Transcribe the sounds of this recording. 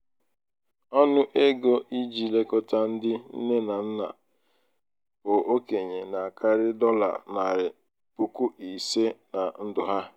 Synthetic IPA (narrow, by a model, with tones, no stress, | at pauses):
ɔ˦nʊ˦ʔe˦ɡo˦ʔi˦d͡ʒi˨le˦kɔ˦ta˦n̩˦dɪ˦n̩˦ne˦na˨n̩˦na̰˨ | bʊ˨ʔo˦ke˨ɲe˨na˨ka˦ɾɪ˦dɔ˦la̰˨na˨ɾɪ˨ | pʊ˨ku˦ʔi˨se˦na˨n̩˦dʊ˨ɦa˦